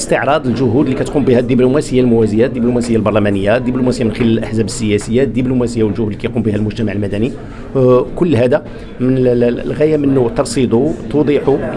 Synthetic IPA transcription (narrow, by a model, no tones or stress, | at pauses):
st̪əʕɾˤɑd̪ˤəlʒʊɦud̪likæt̪qumbihæd̪ːiblumæsəjːalmʊwæzəjad̪ːiblumæsəjːalbɑɾˤlæmænəjːad̪ːiblumæsəjamənxəlæləlʔəħzæbəsːəjæsəjːad̪ːiblumæsəjːawəlʒʊhuːd̪likæjqumbihælmʊʒt̪æmaʕəlmæd̪æni | kʊlːhæd̪æ | mənlɣæjamənːut̪ɑɾˤsid̪ˤut̪ud̪ˤiħu